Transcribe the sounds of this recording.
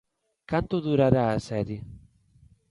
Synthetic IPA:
kant̪ud̪uɾaɾaːsɛːɾi

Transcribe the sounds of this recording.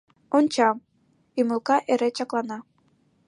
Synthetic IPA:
onʲt͡ɕɑm | imulkɑʔeɾet͡ɕɑklˠɑnɑ

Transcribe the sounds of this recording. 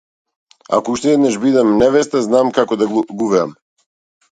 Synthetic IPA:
a̰kouʃt̪ɛɛd̪naʃbid̪ɛmnɛvɛst̪aznamkakɔd̪aɡuvɛa̰m

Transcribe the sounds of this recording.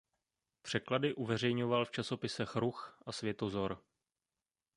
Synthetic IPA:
pr̝̥ɛkladɪʔuvɛr̝ɛjɲo̞valft͡ʃaso̞pɪsɛxɾuxʔasvjɛt̪ozo̞ɾ

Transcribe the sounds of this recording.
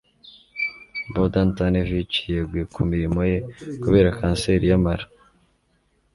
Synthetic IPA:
bodantanevit͡ʃijeɡwikumiɾimojekuβe̞ːɾakʰaːnseɾijamaɾa

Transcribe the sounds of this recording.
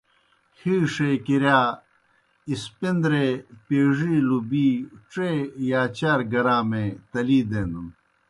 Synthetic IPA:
hiːʂekiɾjaː | ispind̪ɾepeːʐilubiʈ͡ʂejaːt͡ɕaːɾɡɐɾaːmet̪ɐliːd̪eːnd̪um

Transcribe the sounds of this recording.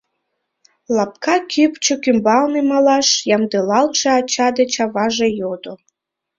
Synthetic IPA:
lɑp̚kɑkʲʰypt͡ɕokʲymbɑlnɨmɑlɑʃjɑmd̪ɨlˠɑlˠt͡ʃɑːt͡ɕɑd̪ət͡ɕɑvɑʒejod̪o

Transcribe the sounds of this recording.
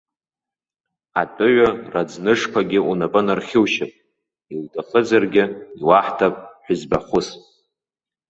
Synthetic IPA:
atʼʊɥarad͡znɨʂkʷʰaɡʲɪunabʼanarχʲɪwʃɪpʼ | ildʰaχəd͡zarɡʲɪiwaħtʰapʼħʷᶣʏzbaχʷʊs

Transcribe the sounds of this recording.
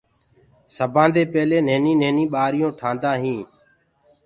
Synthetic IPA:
səbʱãːnd̪eːpeːleːneːnĩːneːnĩːɓaːɾɪjõːʈʰãːnd̪aːɦĩː

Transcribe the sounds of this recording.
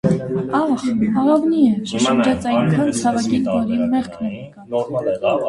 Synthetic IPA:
ɑχɑɑvniɛpɑhɑnd͡ʒɑt͡sɑjŋkʰɑnt͡sʰɑvɑkinvɔɾinmɛχkʰnɛɾɛkɑt͡sum

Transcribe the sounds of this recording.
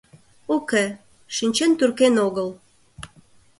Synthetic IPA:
ukĕ | ʃinʲt͡ɕent̪yrkenoɣəl

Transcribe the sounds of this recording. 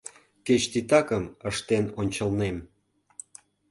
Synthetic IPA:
ket͡ɕt̪it̪ɑkəməʃt̪enonʲt͡ɕə̆lnem

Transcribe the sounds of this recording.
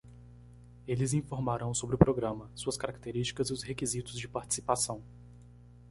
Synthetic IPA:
elɪzĩfoɾmaɾɐ̃w̃sobɾɪʊpɾoɡɾɐ̃mɐsuɐskaɾak̚t̪eɾist͡ʃi̥kɐzɪʊzhekizit̪ʊzd͡ʒɪpaɾt͡ʃi̥si̥pasɐ̃w̃

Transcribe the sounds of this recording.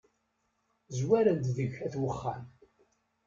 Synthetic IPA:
zwæɾænd̪ðəʝæθwəχːa̰n

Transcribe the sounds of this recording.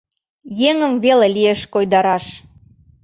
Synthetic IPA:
jeŋəmvelelieʃkojd̪ɑɾɑʃ

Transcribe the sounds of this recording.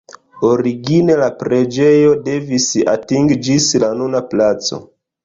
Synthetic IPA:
oɾiɡine̞lapɾe̞d͡ʒe̞jo̞de̞visa̰tiŋɡd͡ʒislanunaplat͡so̞̰

